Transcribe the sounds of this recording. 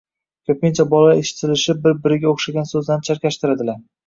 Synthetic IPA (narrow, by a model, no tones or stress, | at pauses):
kʲʰɵpɪnt͡ʃʰabɒlˠaeʃɪ̥t̪ʰɪlɪʃɪp̚bɪɾbɪɾɪɡʲaoχʃaɡʲansɵzlant͡ʃʰaɾkʲaʃt̪ɪɾad̪ɪlaɾ